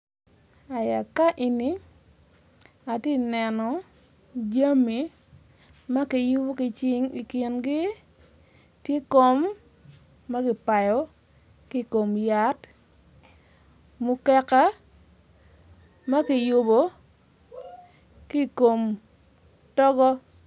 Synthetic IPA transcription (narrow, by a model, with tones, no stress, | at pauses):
a˨ja˨ka˦ʔi˨ni˦ | a˨te˦nɛ˨nɔ˨ | d͡ʒa˦mi˨ | ma˦kɪ˨jʊ˦bo˦kɪ˨t͡ʃɪ˦ŋi˨ki˨nɡɪ˦ | tje˦ko˦mː | a˦kɪ˨pa˨jɔ˨˦ | ki˦˨ko˨mja˨˦t | mʊ˦kɛ˦ka˦ | ma˦kɪ˨jʊ˦bo˨˦ | ki˦˨ko˨m | tɔ˦ɡɔ˦